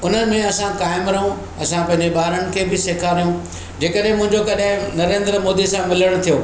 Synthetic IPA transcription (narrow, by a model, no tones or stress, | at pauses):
ʊn̤ənɪ̆mẽɐsãkaːɪmɾɐɦũ | ɐsãpɐ̃ɦɪ̃ɲd͡ʑeɓaːɾəɽ̃̆kʰeːbɪseːkʰaɾijũ | d͡ʑeːkəɗɦɪ̃mʊ̃ɦɪ̃ɲd͡ʑokɐɗɦɪ̃nɐɾẽːnd̪ɾəmoːd̪isãmɪləɽ̃ʊ̆t̪ʰijoː